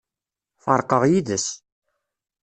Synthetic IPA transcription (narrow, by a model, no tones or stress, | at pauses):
fɑɾˤqəʁjiðəs